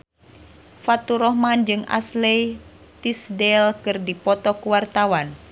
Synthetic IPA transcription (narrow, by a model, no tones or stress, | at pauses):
fat̪uɾɔhmand͡ʒɨŋa̰slɛj | t̪isdɛlkɨrdipɔt̪ɔkuwart̪awan